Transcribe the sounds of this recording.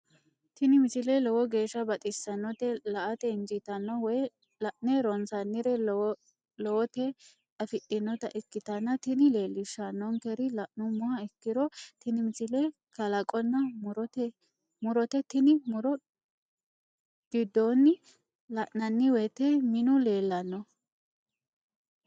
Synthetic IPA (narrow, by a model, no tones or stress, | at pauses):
t̪ɪnɪmɪsɪlɛlɔwɔɡe̞ːʃːɐbɐt̪ʼɪsːɐnːɔt̪ɛlɐʔɐt̪ɛɪnd͡ʒɪt̪ɐnːɔwɔj | lɐʔnɛɾɔnsɐnːɪɾɛ | lɔwɔt̪ɛ | ɐfɪtːɪnːɔt̪ɐʔɪkːɪt̪ɐnːɐt̪ɪnɪle̞ːlːɪʃːɐnːɔŋkɛɾɪlɐʔnʊmʊhɐɛkːɪɾɔt̪ɪnɪmɪsɪlɛ | kɐlɐkʼɔnːɐmʊɾɔt̪ɛ | mʊɾɔt̪ɛt̪ɪnɪmʊɾɔ | ɡ̥ɪd̪ːonːɪ | lɐʔnɐnːɪwɛt̪ɛmɪnʊle̞ːlːɐnːɔ